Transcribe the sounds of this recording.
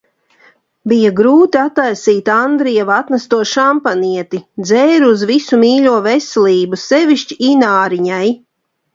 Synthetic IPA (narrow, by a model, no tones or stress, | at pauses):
bijaɡɾuːt̪iat̪ajsiːt̪and̪ɾijavat̪nast̪uɔʃampaniɛt̪id̪zɛːɾuuzvisumiːʎʲuɔvɛsɛlʲiːbusɛviʃt͡ʃiinaːɾiɲaj